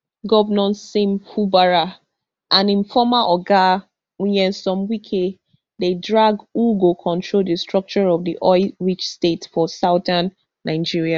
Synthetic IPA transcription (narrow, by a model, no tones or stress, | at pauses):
ɡɔvənɔ̃nsẽmpʰubaɹa | ʔãnĩnfɔmaʔɔɡa | wijɛ̃nsɔ̃mwikʰe | dedɹaɡuɡokʰɔ̃ntʰɹoldəstɹɔk̚t͡ʃɔɹɔvdiʔɔɪɹit͡ʃstetfɔsaʊdãnː | aɪd͡ʒiɹia